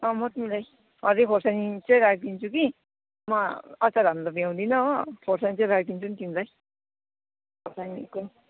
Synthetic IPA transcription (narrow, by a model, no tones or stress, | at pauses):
ʌ̃mʌt̪milaj | ɦʌɾikʰoɾsanit͡sʌj̃ɾak̚d̪int͡sʰuki | mʌʌt͡saɾanlʌbiãw̃d̪inʌʌkʰorsanit͡sʌ̃j̃ɾak̚d̪int͡sʰunk̪imilaj | kʰoɾsaniko